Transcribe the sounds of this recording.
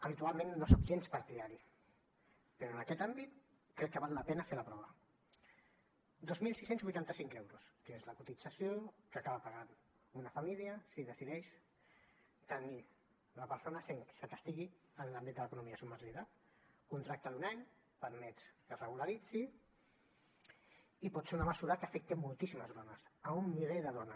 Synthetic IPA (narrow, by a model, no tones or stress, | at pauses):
əβit̪ualˠmẽnːosopʒenspaɾt̪iðaɾi | pəɾoənəkɛt̪ambit̪ | kːɾɛkːəβalːəpɛnəfelapɾɔβ̞ə | d̪ozmilˠsisenzβujt̪ant̪əsiŋkɛwɾuskezləkut̪id͡zasiokəakaβapaɣan | unəfamiliəsiðəsiðɛʃ | t̪əni | ləpəɾsonəseŋksək̪əst̪iɣi | ənlambit̪̚d̪ələkunumiasuməɾʒiða | kunt̪ɾak̚t̪aðunaɲ | pəɾmɛt͡sk̪ərəɣulaɾid͡zi | ipɔt̪seunəməsuɾakəfɛk̚t̪emulˠt̪isiməzðɔnəsəumːiβeʎðəðɔnə